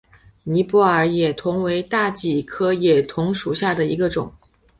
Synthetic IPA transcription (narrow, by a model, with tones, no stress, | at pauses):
ni˧˥pu˥˩ə˞˨˩˥jɛ˨˩t̪ʰʊ˧˥ŋwe˧˥ɪt̪a˥˩t͡ɕi˨˩kʰɤ˥jɛ˨˩t̪ʰʊ˧˥ŋʂu˨˩ɕja˥˩d̪ə˩ḭ˧˥ɡə˧ʈ͡ʂʊ̰˨˩˦ŋ